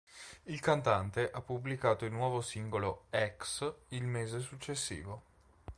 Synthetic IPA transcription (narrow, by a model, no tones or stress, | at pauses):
ilkant̪ant̪eʔapːublikaːt̪oilnwɔːvosiŋɡoloɛksilmeːzesut͡ʃːesːḭːvo